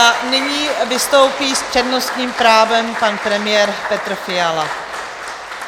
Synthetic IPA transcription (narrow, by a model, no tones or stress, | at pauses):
nɪɲiːvɪst̪o̞wpiːspr̥ɛdnost̪ɲiːmpɾaːvɛmpanpɾɛmɪjɛːɾpɛt̪ɾofɪala